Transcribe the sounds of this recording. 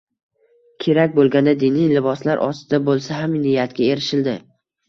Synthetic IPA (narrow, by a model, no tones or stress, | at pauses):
kʲʰe̞ɾakʲbolˠɡʲand̪ad̪inijlɪbɒslaɾʔɒ̰st̪ɪd̪abolˠsaɦamnɪjat̪kʲae̞ɾɪʃɪld̪ɪ